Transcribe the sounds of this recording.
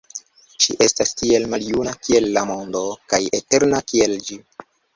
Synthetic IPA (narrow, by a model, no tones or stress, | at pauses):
ʃiʔe̞stastie̞lmaljunakie̞lːamo̞ndo̞kaje̞te̞ɾnakie̞ld͡ʒi